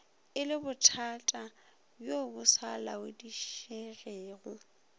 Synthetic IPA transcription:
ɪlɪbʊtʰatʼa | bjobʊsalawɪdiʃereːɣʊ

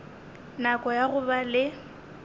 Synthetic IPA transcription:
nakʼɔjaɣʊbalɪ

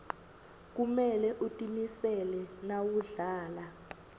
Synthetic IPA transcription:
k̬umɛlɛʔutʼimisɛlɛnawuɮaːla

